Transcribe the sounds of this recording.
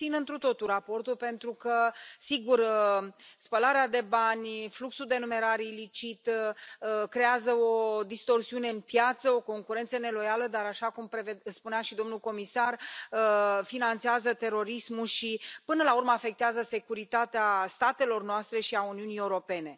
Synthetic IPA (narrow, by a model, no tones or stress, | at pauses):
inɨnt̪ɾut̪o̞t̪uɾapo̞rt̪ulpe̞nt̪ɾukəsiɡur | spəlaɾead̪e̞banʲfluksuld̪e̞nume̞ɾaɾeilit͡ʃit̪ | kɾe̞azəo̞d̪ist̪o̞rsiune̞ɨnpjat̪səo̞ko̞ŋkuɾe̞nt̪səne̞lo̞jaləd̪aɾaʃakumpɾevespuneaʃid̪o̞mnulko̞misarəfinant̪seazət̪e̞ɾo̞ɾismulʃipɨnəlaurməafe̞k̚t̪eazəse̞kuɾit̪at̪east̪at̪e̞lo̞rnoast̪ɾe̞ʃiauniunije̞uɾo̞pe̞ne̞